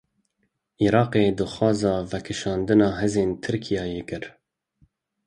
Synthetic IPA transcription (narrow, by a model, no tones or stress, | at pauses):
ʔiːɾɑːqeːd̪ɨxwɑːzɑːvɛkʰɨʃɑːnd̪ɨnɑːɦɛzeːnt̪ʰɨɾkʰijɑːjeːkɨɾ